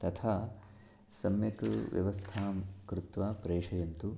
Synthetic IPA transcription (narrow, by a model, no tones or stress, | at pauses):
t̪ɐt̪ʰaː | sɐmjɐkʋjɐ̰ʋɐst̪ʰaːmkɾut̪ʋaːpɾeːʂɐjɐnt̪u